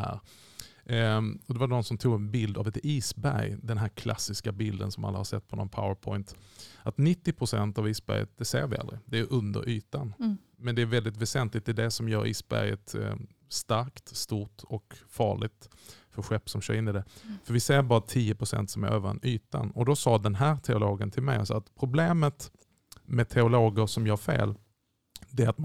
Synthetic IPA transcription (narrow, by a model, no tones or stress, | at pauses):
hæ̰ːɾ | ɔd̪ɛvaɳɔnsɔmt̪ʰuːɡɛnbɪld̪avɛt̪iːsbæɾjd̪ɛnɦæːɾkʰla̰sːɪskabɪld̪ə̰nsɔma̰lːahaɾsɛ̰t̪ːpʰɔnɔnpʰa̰ʊəɾpʰɔɪnt̪ʔat̪nɪt̪ːɪpʰɾʊsɛnt̪aviːsbæ̰ɾjə̰t̪̚d̪ɛseːɾvɪʔa̰lɾɪ̰d̪ɛjɵʔɵnd̪ə̰ɾʔyːt̪an | mɛnd̪ɛæɾvɛld̪ɪt̪vɛsɛnt̪lɪk̚t̪̚d̪ɛːd̪ɛsɔmjœːɾʔḭːsbæ̰ɾjə̰t̪ | st̪aɾkt̪st̪uːʈɔkfɑ̰ːɭɪɡt̪ | fœɾɧɛpːsɔmɕœ̰ːɾɪnɪd̪ɛfœɾvɪseːbɑːɾat̪ʰiːəpʰɾʊsɛ̰nt̪sɔmæ̰ɾʔøːva̰nyːt̪a̰nɔd̪ɔsɑːd̪ɛnɦæːɾt̪ʰɛʊloːɡənt̪ʰɪlmɛjɔsɔːat̪pʰɾʊbleːmət̪ | mɛt̪ʰɛʊloːɡəɾsʂɔmjɑːɾfḛːl | d̪ɛat̪